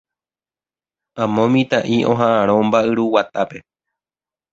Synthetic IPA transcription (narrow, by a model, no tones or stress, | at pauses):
ãmõmĩt̪aʔiʔõ̞ɦãʔãɾ̃õmbaʔɨɾuwat̪ape̞